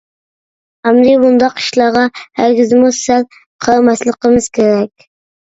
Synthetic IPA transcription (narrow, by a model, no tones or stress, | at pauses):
amɾibʊnd̪ɑqɪ̥ʃlɑʁɑhæɾɡʲɪzmʊsal | qʰɑɾmaslˠɪqɨmɪz̥kʲʰeɾak̚ʲ